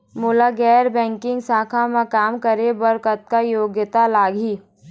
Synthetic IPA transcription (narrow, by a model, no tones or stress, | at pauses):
mʊlaɡɛːɾbɛ̃ːŋkɪ̃ŋɡsaːkʰamãkaːmkəɾebɐɾkət̪̚kajoːɡjt̪alaːɡiː